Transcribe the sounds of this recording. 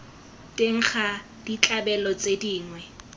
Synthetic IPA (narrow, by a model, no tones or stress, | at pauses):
tʼeŋ̩χʰa | d̥it͡ɬʼabɛlɔt͡sʼediːŋwɛ